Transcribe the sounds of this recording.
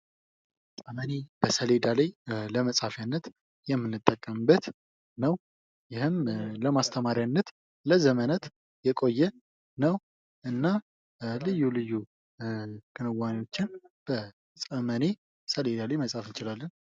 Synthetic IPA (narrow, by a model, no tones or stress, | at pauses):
sʼəməne̞b̥əsəle̞d̪aləjləməsʼhafjanːət̪ | jɛmːɨnːɨt̪ʼːəkʼːəmbət̪ | nəw | jɪhɨmləmast̪ʰəmaɾjanːət̪ | ləzəmənət̪ | jɛkʼo̞jːɛ | nəw | ʔɨnːa | lɨjːulɨjːu | kʰɨnɨwːanwo̞t͡ʃːɪnb̥ə | sʼəməne̞ | səle̞d̪alajməsʼafɨnt͡ʃɪlalːən